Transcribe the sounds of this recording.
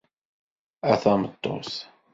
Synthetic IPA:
æθɑmət̪ˤːo̰s

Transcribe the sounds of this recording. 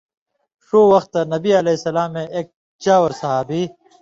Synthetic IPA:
ʂoːwɐxt̪ːɐnɐbiɐlesɐlaːmːẽʔeːk̚ | d͡ʑaːwɐɾsɐɦaːbiː

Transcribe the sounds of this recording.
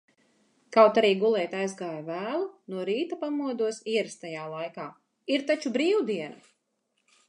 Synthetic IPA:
kawt̪aɾiːɡulˠɛjt̪ajzɡaːjavæːlˠunuɔɾiːt̪apamuɔd̪uɔsiɛɾst̪ajaːlˠajkaː | iɾt̪at͡ʃubɾiːwud̪iɛna

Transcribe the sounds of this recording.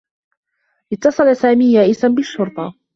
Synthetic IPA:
ʔɪt̪ːɑsˤɑlasaːmiːjaːʔɪsanbɪʃːʊɾt̪ˤɑ

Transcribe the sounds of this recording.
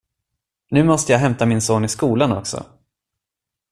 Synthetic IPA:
nʉ̟ːmɔst̪əjɑːɦɛmt̪amɪnsoːnɪskuːlanɔksɔ̰

